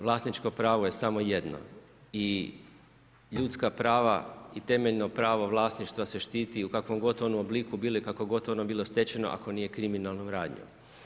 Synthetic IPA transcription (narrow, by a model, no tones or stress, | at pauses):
ʋlˠaːsnit͡ʃko̞pɾaːʋo̞je̞samo̞je̞d̪no̰ | i | ʎut̪skapɾaːʋa̰it̪e̞me̞ʎnopɾaːʋoʋlˠaːsniʃt̪ʋase̞ʃt̪iːt̪iukakʋo̞mɡo̞t̪o̞nuoblikubiːlojikako̞ɡo̞t̪o̞nobiːlˠo̞st̪e̞t͡ɕeno̞̰ʔa̰kʰo̞niːje̞kɾiminalˠnomɾaːd̪ɲo̰m